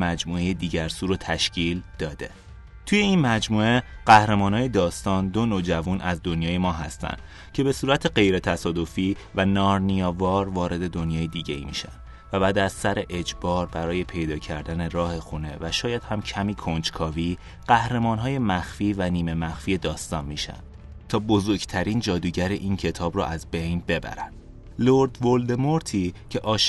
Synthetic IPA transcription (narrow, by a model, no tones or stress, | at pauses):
mæd͡ʒmuːe̞jed̪iːɟæɾsuːɾot̪ʰæʃcʰiːld̪̥ɒːd̪e̞ | t̪ʰuːje̞inmæd͡ʒmuːe̞ɢ̥æhɾemɒːnɒːje̞d̪ɒːst̪ɒːnd̪o̞nod͡ʒævunʔæzd̪o̞njɒːje̞mɒːɦæst̪æ̰nd̪̥ | cʰe̞be̞suːɾæt̪ʰe̞ɢe̞jɾe̞t̪ʰæsɒːd̪o̞fiːvænɒːɾnijɒːvɒːɾvɒːɾe̞d̪e̞d̪o̞njɒːje̞d̪iːɟeḭːmḭːʃæ̰n | væbæːd̪æzsæɾe̞ʔed͡ʒbɒːɾbæɾɒːje̞pʰe̞jd̪ɒːcʰæɾd̪æne̞ɾɒːhe̞xune̞væʃɒːjæd̪̥hæmcʰæmiːkʰo̞nd͡ʒkʰɒːviː | ɢ̥æhɾe̞mɒːnɦɒːje̞mæxfiːvæniːme̞mæxfiːjed̪ɒːst̪ɒːnmiːʃæ̰nd̪̥ | t̪ʰɒːbo̞zo̞ɾɟt̪ʰæɾiːnd͡ʒɒːd̪uːɟæɾeʔiːncʰe̞t̪ʰɒːbɾɔ̰ʔæzbe̞jnbe̞bæ̰ɾænd̥̪ | loɾd̪vold̪emo̞ɾt̪ʰiːcʰe̞ʔɒːʃ